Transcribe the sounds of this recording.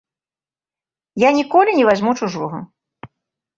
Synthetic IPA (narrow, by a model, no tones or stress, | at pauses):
janʲikɔlʲinʲɛvazʲmut͡ʂuʐɔɣɐ